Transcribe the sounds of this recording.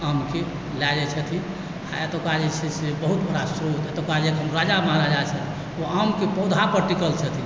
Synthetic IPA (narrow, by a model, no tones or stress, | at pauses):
əmke | lad͡ʒɛt͡ʃʰət̪ʰi | aet̪okad͡ʒet͡ʃʰisebəɦut̪bʱəɽasɾut̪et̪okad͡ʒekɦəmɾad͡ʒamaɾad͡ʒat͡ʃʰət̪ʰi | oəmkepəud̪ʱãpəɾʈikəlt͡ʃʰət̪ʰi